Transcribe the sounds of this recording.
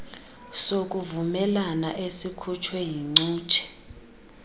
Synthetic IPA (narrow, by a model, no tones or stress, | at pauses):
sok̬ʼuvumɛlanaʔesikʰut͡ʃʰwɛjiŋ͡ǀuːt͡ʃʰʼɛ̥